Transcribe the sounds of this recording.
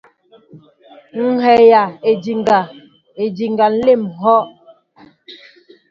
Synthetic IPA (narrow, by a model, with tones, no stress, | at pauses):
ŋ̩˦ɦɛ˨ja˨e˨di˨ŋɡa˨ | e˨di˨ŋɡa˨n̩˦le˦˨mɦɔ˦ʔ